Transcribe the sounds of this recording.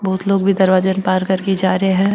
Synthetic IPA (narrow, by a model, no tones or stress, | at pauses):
bɔːt̪loːɡbʱid̪ɐɾʋaːd͡ʒənpaːɾkɐɾkid͡ʒaːɾeɦɛ̃ː